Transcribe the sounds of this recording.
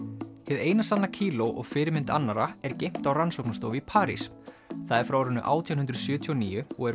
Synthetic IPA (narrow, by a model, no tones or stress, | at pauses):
hɪðeːjnasanacʰiːlowʔɔ̰ɣfɪːɾɪmɪnt̪a̰nːaɾaɛɾcejm̥t̪awransowknast̪owvɪipʰaːɾḭs | θaðɛɾ̥fɾaːwɾʏnːʏʔa̰ːwt̪ʰianhʏnd̪ɾʏsjœːt̪ʰiɔniːjʏɔɣɛɾ